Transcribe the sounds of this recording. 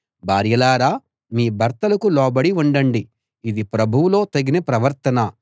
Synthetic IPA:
bʱaːɾjɐlaːɾaː | miːbʱɐɾt̪ɐlɐkulɔːbɐɽiuɳɖɐɳɖi | id̪ipɾɐbʱuwulo̞ːt̪ɐɡinɐpɾɐʋɐɾt̪ɐnɐ

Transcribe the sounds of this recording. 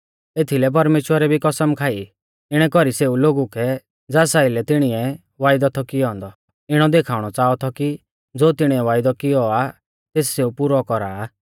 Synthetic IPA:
et̪ʰilɛp̬ɐɾmeːʃwəɾɛbʱikɔsəmkʰaːi | ɪɽ̃ɛkɔɾiseːuloːɡukʰɛ | d͡zaːsaːɪlɛt̪ɪɽ̃iɛ | ʋaːɪd̪ɔt̪ʰɔkiɔ̃ːnd̪ɔ | ɪɽ̃ɔd̪ekʰaːʊɽ̃ɔt͡saːɔt̪ʰɔki | d͡zoːt̪ɪɽ̃iɛʋaːɪd̪ɔkɪjɔa | t̪eːsseupʊɾɔkɔɾaː

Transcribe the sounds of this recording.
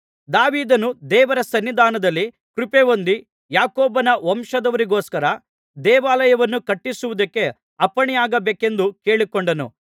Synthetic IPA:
d̪aːʋiːd̪ɐnud̪ɛːʋɐɾɐsɐnːid̪ʱaːnɐd̪ɐlːi | kɾupeʋond̪i | jaːkoːbɐnɐʋɐmʂɐd̪ɐʋɐɾiɡoːskɐɾɐ | d̪ɛːʋaːlɐjɐʋɐnːukɐʈːisuʋud̪ɐkːe̞ | ɐpːɐɳijaːɡɐbeːke̞nd̪ukeːɭikoɳɖɐnṵ

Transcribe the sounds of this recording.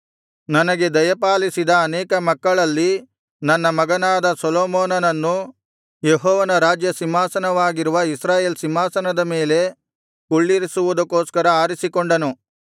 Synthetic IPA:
nɐnɐɡe̞d̪ɐjɐpaːlisid̪ɐːnɛːkɐmɐkːɐɭɐlːi | nɐnːɐmɐɡɐnaːd̪ɐsɔloːmɔːnɐnɐnːu | jeɦɔːʋɐnɐɾaːd͡ʒjɐsimɦaːsɐnɐʋaːɡiɾuʋɐisɾaːjeːlsimɦaːsɐnɐd̪ɐme̞ːle̞ | kuɭːiɾisuʋud̪ɐkoːskɐɾɐaːɾisikoɳɖɐnu

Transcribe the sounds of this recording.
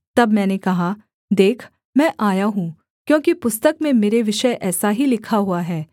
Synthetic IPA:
t̪ɐbmɛ̃ːnekɐɦa | d̪eːkʰ | mɛ̃ːʔaːjaɦũ | kjõːkipʊst̪əkmẽmeːɾeʋɪʃəjʔɛːsaɦilɪkʰaɦuaɦɛː

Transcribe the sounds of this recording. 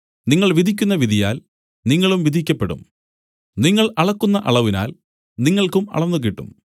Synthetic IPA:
niŋːɐɭʋid̪ʱikʲːunːɐʋid̪ʱijaːl | niŋːɐɭumʋid̪ʱikʲːɐpːe̞ɽṵm | niŋːɐɭɐɭɐkːunːɐʔɐɭɐʋina̰ːl | niŋːɐɭkumɐ̰ɭɐnːuk̬iʈːṵm

